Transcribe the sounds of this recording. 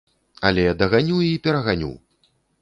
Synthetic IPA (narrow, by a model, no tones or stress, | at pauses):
a̰lʲɛad̪ɐɣanʲuwipʲɛɾɐɣanʲṵw